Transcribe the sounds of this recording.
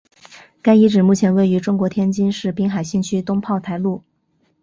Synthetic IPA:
ka˥ɪi˧˥ʈ͡ʂɻ̩˨˩mu˥˩t͡ɕʰjɛ˧˥nwe˥˩ɪy˧˥ʈ͡ʂʊ˥ŋkwɔ˧˥t̪ʰjɛ˥nt͡ɕi˥nʂɻ̩˥˩pi˥ŋxa˨˩ɪɕi˥˩nt͡ɕʰy˥t̪ʊ˥ŋpʰɑ˥˩ʊt̪ʰa˧˥ɪlu˥˩

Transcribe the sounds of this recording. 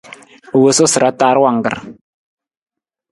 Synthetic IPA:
wə˨so˦sɨ˨ɾa˦taː˦ɾwa˨ŋ˨ɡɨ̰˨ɾ

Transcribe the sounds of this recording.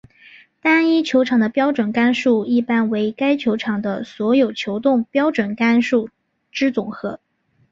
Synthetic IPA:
t̪a˥ni˥t͡ɕʰjo˧˥ʊʈ͡ʂʰɑ˨˩ŋd̪ə˦pjɑ˥ʊʈ͡ʂwə˨˩nka˥nʂu˥˩i˥˩pa˥nwe˧˥ɪka˥ɪt͡ɕʰjo˧˥ʊʈ͡ʂʰɑ˨˩ŋd̪ə̰˦swɔ˧˥jo˨˩ʊt͡ɕʰjo˧˥ʊt̪ʊ˥˩ŋpjɑ˥ʊʈ͡ʂwə˨˩nka˥nʂu˥˩ | ʈ͡ʂɻ̩˥t͡sʊ˨˩ŋxɤ˧˥

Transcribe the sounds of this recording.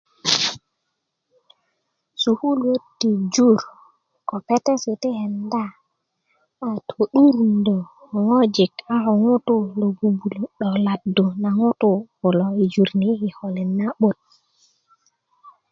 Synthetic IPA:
su˨hu˦lwo˦tːi˨d͡ʒu˦ɾ | ko˨pe˦te˦si˨t̪i˦he˨nda˦˨ | tʰo˨ɗu˦ɾndo˨ | ŋo˦d͡ʒi˨ka˦ho˨ŋu˦tu˦lo˨bu˨bu˨lu˨ɗo˨la˨du˨na˨ŋu˦tu˦ku˨lo˨i˨d͡ʒu˨ɾni˦hi˨ho˨li˨nːa˦ɓo˦t̚

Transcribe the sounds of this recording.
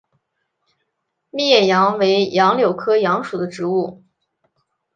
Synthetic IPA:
mi˥˧jɛ˥˩jɑ˧˥ŋwe˧˥ɪjɑ˧˥ŋljo˨˩ʊkʰɤ˥jɑ˧˥ŋʂu˨˩d̪ə˦ʈ͡ʂɻ̩˧˥u˥˩

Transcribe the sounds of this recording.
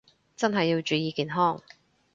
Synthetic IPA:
t͡sɐ˥nɦɐ˨jːi˧wt͡ʃyː˨˧jiː˨˧kiː˨˩nɦɔː˥˩ŋ

